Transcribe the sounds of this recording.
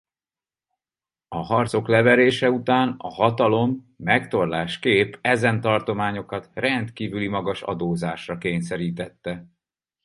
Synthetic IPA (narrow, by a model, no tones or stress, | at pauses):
ɒɦɒrt̪so̞klɛvɛɾeːʃɛut̪aːnɒhɒt̪ɒlo̞mː | ɛkt̪o̞rlaːʃkeːpɛzɛnt̪ɒrt̪o̞maːɲo̞kɒt̪rɛnt̪kiːvylimɒɡɒʃɒ̰d̪oːzaːʃrɒkeːɲsɛɾiːt̪ɛt̪ːɛ